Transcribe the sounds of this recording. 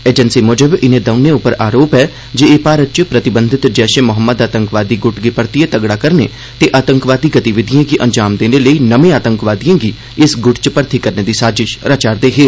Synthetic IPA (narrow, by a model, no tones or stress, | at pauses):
eːd͡ʒənsiːmʊd͡ʒəbɪnẽːd̪əʊnẽːʊpəɾaːɾoːpɛː | d͡ʒeːeːpaːɾət͡ʃpɾət̪ɪbənd̪ʱɪt̪d͡ʒɛːʃẽːmʊɦəmːəd̪aːt̪ə̃ŋkʋaːd̪iːɡʊʈɡɪpəɾt̪iet̪əɡɽaːkəɾnḛː | t̪eːʔaːt̪əŋkʋaːd̪iːɡət̪iʋɪd̪ʱijãːɡiʔənd͡ʒaːmd̪eːneləiːnəʋẽːaːt̪əŋkʋaːd̪ijãːɡiː | ɪsɡʊʈt͡ʃəpəɾt̪ʰiːkəɾneːd̪iːsaːd͡ʒɪʃɾət͡ʃaːɾd̪eːɦeː